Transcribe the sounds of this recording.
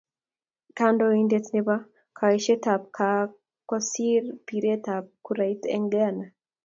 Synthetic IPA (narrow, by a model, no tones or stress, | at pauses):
kandɔindetneba | kʰaiʃetap̚kʰa | kɔsiɾpiɾetap̚kuɾait̪ɛ̰ŋɡɛana